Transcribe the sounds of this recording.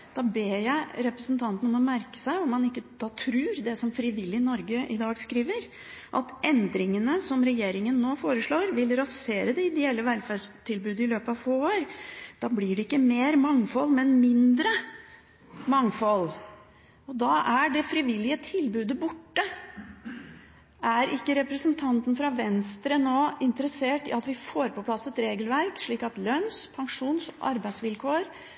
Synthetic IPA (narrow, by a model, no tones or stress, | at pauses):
d̪̥ɑːbeːjæɪɾɛpɾəsənt̪ʰɑnt̪ənɔmɔmæɾkə̥sæɪɔmːɑnɪkːəd̪̥ɑːt̪ʰɾʉːɾd̪ɛsɔmfɾɪʋɪlːɪnɔɾɡəʔɪ̰d̪ɑːɡskɾiːʋəɾ | ʔɑ̰t̪ʔɛnd̪ɾɪŋənəsɔmɾɛjeːɾɪŋənːoːfoːɾəʂɭoːɾʋɪlɾɑseːɾəd̪ɛɪd̪ɛɛlːəʋælfæɖʂt̪ʰɪlbʉːd̪ɪløːpəɑʋfoːoːɾd̪̥ɑːblɪɖɛɪkːəmeːɾmɑŋfɔlːmɛnmɪnd̪ɾə | mɑŋfɔl | ɔd̪ɑːʔæɖɛfɾɪʋɪlːɪət̪ʰɪlbʉːd̪əbʊʈːə | ʔæɾɪkːəɾɛpɾəsənt̪ʰɑnt̪n̩fɾɑʋɛnst̪ɾənoːɪnt̪əɾəseːʈɪ̰ɑt̪ʋɪfoːɾpʰɔpʰlɑsːɛt̪ɾeːɡəlʋæɾkʂɭiːkɑt̪lœnspʰɑŋʂuːnsɔʔɑ̰ɾbæɪd̪sʋɪlkʰoːɾ